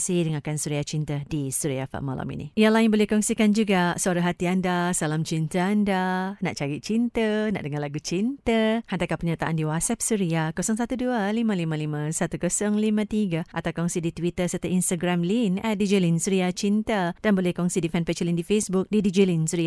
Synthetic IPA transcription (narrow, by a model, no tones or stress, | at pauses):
sidəŋakansuɾiat͡ʃint̪ədisuɾiafa̰ʔma̰la̰mḭnḭijalajanbolɪhkɔŋsikand͡ʒuɡasəaɾaɦat̪iandasalamt͡ʃint̪əandana̰ʔt͡ʃaɾit͡ʃint̪əna̰ʔdəŋalaɡut͡ʃint̪əhant̪akapəɲat̪aʔandiwat̪sɛp̚suɾiakosɔŋsat̪udualimãlimãlimãsat̪ukosɔŋlimãt̪iɡaʔat̪awkɔŋsidit̪wit̪əsərt̪əinst̪aɡɾamlinɛdid͡ʒilinsuɾiat͡ʃint̪əd̥anbolɛhkɔŋsidifɛnpet͡ʃəlindifesbuk̚didid͡ʒilinsuɾia